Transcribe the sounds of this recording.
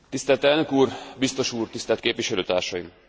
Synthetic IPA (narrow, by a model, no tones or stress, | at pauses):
t̪ist̪ɛlt̪ɛlnø̞kuːrbist̪o̞ʃuːrt̪ist̪ɛlt̪keːpʋiʃɛløːt̪a̰ːrʃɒjim